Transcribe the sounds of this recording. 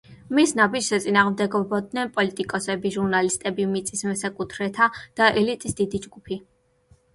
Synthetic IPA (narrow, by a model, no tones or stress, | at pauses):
misnabid͡ʒsat̪sʼinaːʁmd̪ɛɡɔbɔd̪nɛnpʼɔlit̪ʼikʼɔsɛbiʒuɾnalist̪ʼɛbimit̪sʼismɛsakʼut̪ʰɾɛt̪ʰad̪̥aʔɛlit̪ʼisd̪̥id̪id͡ʒɡupʰi